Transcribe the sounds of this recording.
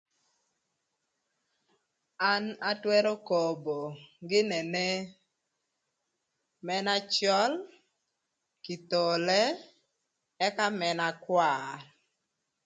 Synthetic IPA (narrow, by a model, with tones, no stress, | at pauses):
a˦na˦twɛ˦ɾo˦ko˨bo˨ɡɪ˦nɛ˨nɛ˦ | mɛ˦na˦t͡ʃɔ˦l | ki˨t̪o˨lɛ˦ | ɛ˦ka˦mɛ˨na˦kwa˦˨r